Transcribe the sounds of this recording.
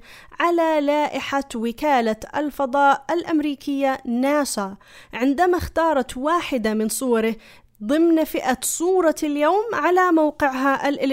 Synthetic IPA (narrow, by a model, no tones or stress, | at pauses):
ʕalalaːʔɪħawɪkaːlaa̰lfɑd̪ˤɑːʔalʔamɾiːkɪjːanaːsa | ʕɪnd̪amaxt̪ɑːɾˤɑt̪waːħɪd̪amɪnsˤuːɑɾɪ | ðˤɨmnfɪʔasˤuːɾˤɑljoːmʕalamawqɪʕɦaʔalʔɪ